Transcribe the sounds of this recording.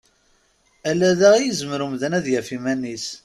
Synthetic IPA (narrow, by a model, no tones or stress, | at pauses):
ælːæðæʁijəzəməɾumðənæðjæfimænːis